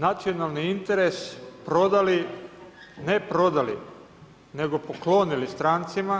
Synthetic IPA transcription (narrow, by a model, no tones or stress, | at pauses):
nat̪sio̞nalˠniint̪eɾespɾo̞d̪ali | nepɾo̞d̪alḭ | ne̞ɡo̞poklo̞ːnilist̪ɾaːnt̪sima